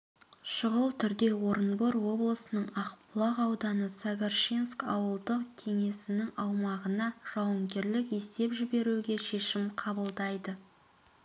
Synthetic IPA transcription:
ʃəʁəlˠt̪ʰʏɾd̪e̞wo̞ɾənboɾwo̞blˠəsənəɴɑqpʊlˠɑʁɑwd̪ɑnəsaɡarʃinskɑ̰wəlˠd̪əqkʲʰe̞ŋe̞sɪnɪŋɑwmɑʁənɑʒ̥ɑwəmɡʲe̞ɾlɪke̞st̪e̞pʒɪbe̞ɾuɡʲe̞ʃe̞ʃɪmqʰɑbəlˠd̪ɑjd̪ə

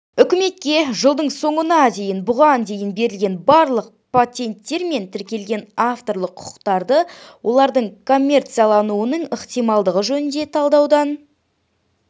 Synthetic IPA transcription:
ʏkʲɪme̞t̪̚kʲe̞ʒəlˠd̪əɴso̞ɴənɑd̪e̞jɪnbʊʁɑnd̪e̞jɪnbe̞ɾɪlɡʲe̞nbɑɾlˠəq̚pʰat̪ʲe̞nt̪ːe̞ɾme̞nt̪ʰɪɾkʲe̞lɡʲe̞naft̪o̞ɾlˠəqʰːʊ̥qə̥qt̪ɑɾd̪əwʔo̞lˠɑɾd̪əɴkʰo̞mʲːe̞rt̪sɨjalˠɑnuənəɴəχt̪ijmɑlˠd̪əʁəʒɵnɪnd̪e̞t̪ʰɑlˠd̪ɑwd̪ɑn

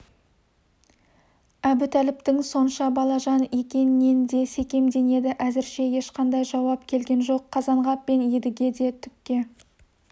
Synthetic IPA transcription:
æbɪt̪ʰælɪp̚t̪ɪŋso̞nʃɑbɑlˠɑʒɑne̞kʲe̞nɪːe̞nd̪e̞se̞kʲe̞md̪e̞ne̞d̪ɪʔæzɪɾʃe̞je̞ʃqɑnd̪ɑjʒɑwɑpkʲʰe̞lɡʲe̞nʒo̞qʰːɑzɑɴʁɑp̚ːe̞ned̪ɪɡʲe̞d̪e̞t̪ʰʏp̚kʲːe̞

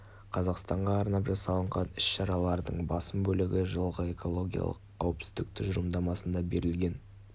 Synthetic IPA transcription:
qʰɑzɑqst̪ɑɴʁɑːɾnɑpʒɑsɑlˠəɴʁɑnɪsʃɑɾɑlˠɑɾd̪ə̰ɴbɑsəmbɵlɪɡʲɪʒəlˠʁəe̞ko̞lˠo̞ɡʲijɑ̰lˠə̰qʰːɑwəpsɪ̥zd̪ɪk̚t̪ʰʊʒʊɾəmd̪ɑmɑsənd̪ɑbe̞ɾɪlɡʲe̞n

